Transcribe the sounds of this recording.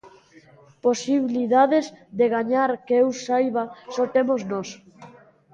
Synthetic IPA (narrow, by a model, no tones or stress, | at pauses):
posiβiliðaðezðeɣaɲaɾkeewsajβasɔt̪emoznɔs